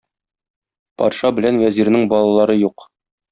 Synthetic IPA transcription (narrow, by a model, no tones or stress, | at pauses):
pɒ̰t̪ʃɑbɘ̆lænwæziɾnɘŋbɒlˠɑlˠɑɾɤjuq